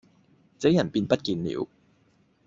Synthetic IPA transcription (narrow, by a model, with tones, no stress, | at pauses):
t͡se˨˥jɐ˨˩npiː˧npɐ˥t̚kiː˧nlḭː˨˩˥w